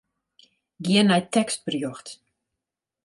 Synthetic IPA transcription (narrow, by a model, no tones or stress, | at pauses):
ɡiənɛjtʰɛkst̚brjɔxt